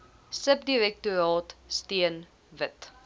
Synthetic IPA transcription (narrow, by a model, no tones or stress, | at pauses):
səp̚diɾɛk̚tuɾɑːtstiən | vət